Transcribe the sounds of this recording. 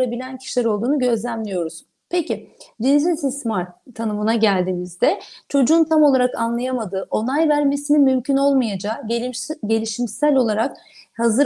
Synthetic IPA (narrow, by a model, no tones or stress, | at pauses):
abilʲæncʰi̥ʃlʲɛɾo̞lˠd̪uːnuɟø̞zlʲæmlʲijo̞ɾuz | pʰecid͡ʒinzinsismaɾt̪ʰːanɯmɯnaɟælʲd̪iːmizd̪ɛt͡ʃʰo̞d͡ʒuːnt̪ʰamo̞lˠaɾakanlˠajamad̪ɯːʔo̞nˠajvæɾme̞sinimymcʰyno̞lˠmajad͡ʒaːɟe̞lʲiʃimsælʲo̞lˠaɾak̚ | hazɯ